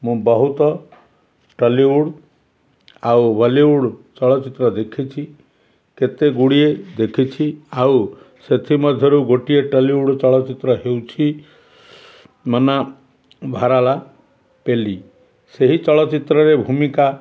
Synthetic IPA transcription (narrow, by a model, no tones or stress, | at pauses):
mũbɔɦut̪ɔ | ʈəliuɽ | awbaliuɽt͡ʃɔɭɔt͡ʃit̪ɾɔd̪ekʰit͡ʃʰi | ket̪eɡuɽied̪ekʰit͡ʃʰiaw | set̪ʰimɔd̪ʱjɔɾuɡoʈieʈəliuɽt͡ʃɔɭɔt͡ʃit̪ɾɔɦewt͡ʃʰi | mɔna | bʱaɾala | peli | seɦit͡ʃɔɭɔt͡ʃit̪ɾɔɾebʱumika